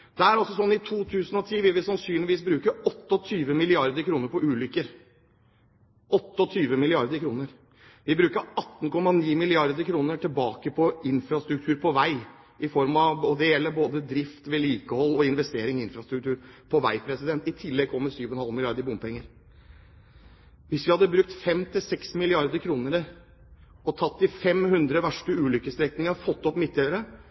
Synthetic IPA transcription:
d̪̥ɛæɾɔlsɔsɔnːɪt̪ʰuːt̪ʰʉːsənɔt̪ʰiːʋɪlʋɪsɑnsyːnlɪʋiːsbɾʉːkəɔt̪ːɔt̪ʰyːʋəmɪlɪɑɾd̪əɾkʰɾuːnəɾpɔʉːlʏkəɾ | ɔt̪ːəɔt̪ʰyːʋəmɪlɪɑɾd̪əɾkʰɾuːnəɾ | ʋɪbɾʉːkəɾɑt̪ːn̩kɔmːɑniːmɪlɪɑɾd̪əɾkʰɾuːnəʈɪlbɑːkəpʰɔɪnfɾɑst̪ɾʉk̚t̪ʰʉːɾpʰɔʋæɪ | ɪfɔɾmɑʋɔd̪ɛjɛlːəɾboːd̪əd̪ɾɪft̪ʋɛliːkəhɔlːɔɪnʋɛst̪eːɾɪŋɪɪnfɾɑst̪ɾʉk̚t̪ʰʉːɾpʰɔʋæ̰ɪpʰɾɛsɪd̪ɛnt̪ɪt̪ʰɪlːɛɡ̚kɔmːəsyːʋɔnhɑlmɪlɪɑɾd̪əɾbʊmpɛŋːəɾ | ʋɪsʋɪhɑd̪ːəbɾʉk̚t̪fɛmt̪ʰɪsɛksmɪlɪɑɾd̪əɾkʰɾuːnəɾə | ɔt̪ʰɑt̪ːɪfɛmhʉnd̪ɾəʋæʂʈəʉːlʏkːəst̪ɾɛknɪŋɑfɔt̪ːɔpmɪt̪ʰːeːəɾə

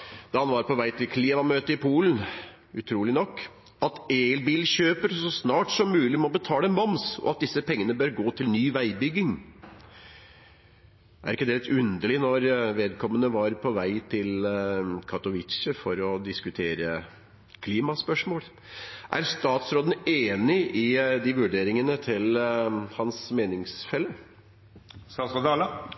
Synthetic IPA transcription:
d̪̥ɑhɑnʋɑɾpɔʋæɪt̪ɪlkʰliːmɑmøːt̪əɪpʰuːlən̩ | ʉt̪ʰɾuːlɪnɔkː | ɑt̪elbiːlɕøːpəɾsɔsnɑːʈsɔmːʉːlɪmɛɔbət̪ʰɑːləɛnmɑmsɔ̰ɑt̪̚d̪ɪsːəpʰɛŋːənəbøːɾɡoːt̪ʰɪlnyːʋæɪbʏɡːɪŋ | æ̰ɾɪkːəd̪ɛlɛt̪ʉnd̪əɭɪnɔɾʋeːd̪̚kʰɔmːənəʋɑɾpʰɔʋæɪt̪ʰɪlkʰɑt̪ɔʋɪt̪ʂəfɔɾɔd̪ɪskʉt̪ʰeːɾə | kʰliːmɑspœʂmoːl | ʔæ̰ɾst̪ɑːt̪sɾoːd̪ən̩eːnɪʔɪd̪ɪʋʉɖeːɾɪŋənət̪ʰɪlhɑnsmeːnɪŋsfɛlːə | sɑsɔd̪ɑːlɑ

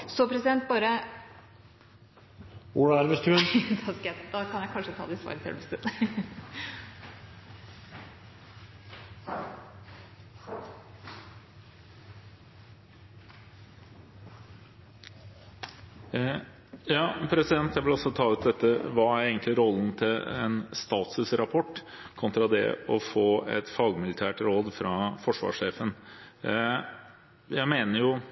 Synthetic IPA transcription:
sɔpʰɾɛsɪd̪ɛnt̪̚bɑːɾə | uːɽæɾʋɪst̪ʰʉnd̪ɑskəjæd̪ɑkʰɑnjæɪkʰɑnʂət̪ʰɑ̰ːd̪ɛɪsʋɑ̰ːɾət̪ʰɪɛ̰lʋɪst̪ʉ | jɑːpʰɾɛsɪd̪ɛnt̪jæʋɪlɑsɔt̪ʰɑːʉːt̪̚d̪ɛt̪ːəʋɑːæɾeːɡənt̪lɪɾɔln̩t̪ʰɪlɛ̰nst̪ɑːt̪ʉsɾɑpʰɔʈː | kʰɔnt̪ɾɑd̪ɛ̰ɔfoːɛ̰t̪fɑːɡmɪlɪt̪ʰæːʈɾoːd̪fɾɑfɔʂʋɑ̰ːʂeːfən | jæɪmeːnəɾjʊ

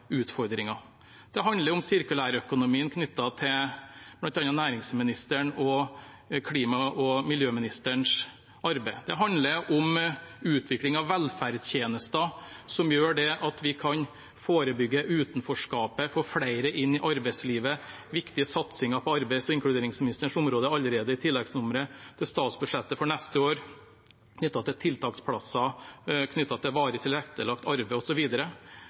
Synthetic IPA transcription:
ʉːt̪fɔɾd̪ɾɪŋɑ | d̪̥ɛɦɑnd̪ləɾʊmsɪɾkʉlæːɾœkʊnʊmiːənkʰnʏt̪ːɑt̪ʰɪblɑnt̪ɑnɑnæːɾɪŋsmɪnɪst̪əɳɔ | kʰliːmɑɔmɪljøːmɪnɪst̪əɳʂ | ɑɾbæɪd̪ɛɦɑnd̪ləɾʔɔmʉːt̪ʰʋɪklɪŋɑʋːɛlfæɾɖt̪ʰjeːnəst̪əsɔmjøːɖɛʔɑt̪ʋɪkʰɑn | foːɾəbʏɡːəʔʉːt̪n̩fɔʂkɑːpəfɔfɽæɪɾəʔɪnːɪʔɑɾbɛɪsliːʋə | ʋɪkt̪ɪəsɑt̪sɪŋɑpʰɔɑɾbæɪsɔɪŋklʉd̪eːɾɪŋsmɪnɪst̪əʂʊmɾoːd̪əɑlːəɾeːd̪əɪt̪ʰɪlːɛɡsnʊməɾət̪ʰɪlst̪ɑːt̪sbʉʂɛt̪ːəfɔɳɛst̪əoːɾ | kʰnʏt̪ːɑt̪ʰɪlt̪ʰɪlt̪ʰɑːkt̪spʰɽɑsɑkʰnʏt̪ːɑt̪ʰɪlʋɑːɾət̪ʰɪlɾɛkt̪əlɑkt̪ɑɾbɛɪɔsɔʋiːd̪əɾə

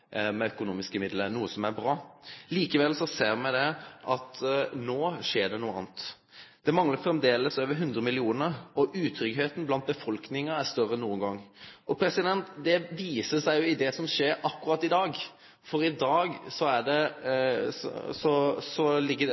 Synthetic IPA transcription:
mɛœkʊnuːmɪskəmɪd̪lənuːəsɔmæɾbɾɑːliːkəʋɛlsɔseːɾmɛd̪ɛʔɑt̪noːʂeːɖɛnuːəɑ̰ːnt̪ | d̪̥ɛmɑŋləɾfɾɛmd̪eːləsøːʋəɾɦʉnd̪ɾəmɪlɪuːnəɾɔʔʉːt̪ʰɾʏɡɦeːt̪n̩blɑnt̪̚bəfɔlknɪŋɑæɾst̪œrənuːənɡɑŋːɔpʰɾɛsɪd̪ɛnt̪d̪ɛʋiːsəsæɪjʊɪd̪ɛsɔmʂeːɾɑkːʉɾɑːt̪ːɪd̪ɑːɡ | fɔɾɪd̪ɑːɡsɔæɖɛ̰ | sɔsɔlɪɡːə

